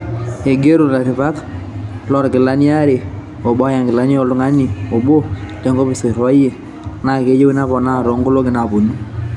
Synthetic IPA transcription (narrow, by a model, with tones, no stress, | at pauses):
e˨ɡe˦ɾu˨la˨ɾɪ˨βa˦k | lɔ˦ɾkɪ˨la˦n˦a˦ɾe˨ | o˨ɓɔ˦ja˨ŋɡɪ˨la˨˦n˦ɔ˦lʊ˦ŋa˦ni˨o˨bo˦te˨˦ŋɡo˦bɪ˨se˨ɾwa˦je˨ | na˦˨ke˨˦d͡ʒe˦wi˦na˦pɔ˨na˦˨ɾo˨˦ŋɡu˦lo˦kɪ˨na˨po˨nu˦